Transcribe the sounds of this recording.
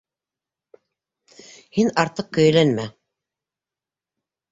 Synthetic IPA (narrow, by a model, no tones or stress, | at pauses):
hinɑɾt̪ɤq̚kɵ̆jɘ̆lænmæ